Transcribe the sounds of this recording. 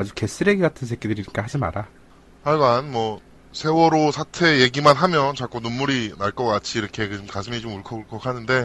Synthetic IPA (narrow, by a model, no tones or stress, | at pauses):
ad͡ʑuke̞s͈ɯɾeɡiɡatʰɯnsʰek͈edɯɾiɲik͈aɦad͡ʑima̰ɾa | aɭmanmwʌ | sʰe̞wʌɾosʰatʰe̞je̞ɡimanɦamjʌnt͡ɕak͈onumːuɾinaɭk͈ʌk͈at͡ɕʰiːɾʌkʰe̞kɯomkasʰɯŋit͡ɕomuɭkʰʌɭkʰʌkhanɯnde̞